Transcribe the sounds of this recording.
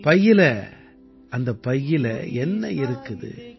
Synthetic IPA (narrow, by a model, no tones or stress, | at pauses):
pɐjːɪlɐ | ʔɐnd̪ɐpːɐjːɪlɐ̰ɛnːɐɪɾɯkːɯðɯ̰